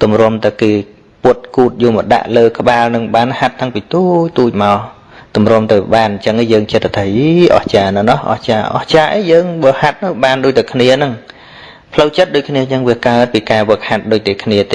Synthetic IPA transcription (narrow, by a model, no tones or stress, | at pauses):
t̪umrŏəmt̪ɨwkeː | puət̪̚kuːt̪̚juːmɔɗa̰ʔləːkə̆ɓaːlnɨŋɓaːnhat̪ːaŋpiːt̪uːc̚t̪uːc̚maɔ | t̪umrŏəmt̪ɨwɓaːnɲt͡ɕəŋejəːŋt͡ɕət̪ːt̪ʰaːiʔɑ̰ht͡ɕaːnɨnɑhʔɑ̰ht͡ɕaːʔɑ̰ht͡ɕaːʔejəːŋʋəːhat̪̚nɨwɓaːnɗoːc̚t̪ɨwkʰniənɨŋ | pʰləwt͡ɕət̪̚ɗoːc̚kʰniəjəŋʋiəkaət̪̚piːkaːʋəəkhat̪̚ɗoːc̚t̪ekʰniət̪eː